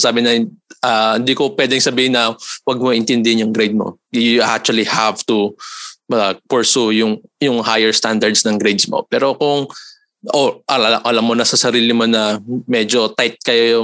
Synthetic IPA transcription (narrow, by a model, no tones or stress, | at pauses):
saːbɪnɐʔahɪnd̪iːkopwɛːd̪ɪŋsɐbiːhɪnːɐwɐɡ̚moʔɪnt̪ɛnd̪ɪhɪnjʊŋɡɾejd̪̚mo̰ | jʊʔa̰k̚t͡ʃʊɐlihavt̪ʊmɐpɛɹsujʊŋjʊŋhajɛɹst̪and̪ɐɹd̪snɐŋɡɾejd̪smo̰pɛːɾo̞kʊŋ | ʔoʔɐɐaʔɐlamːonɐsɐsɐɾiːlɪmo̞nɐmɛd͡ʒo̞t̪ajt̪̚kɐjoj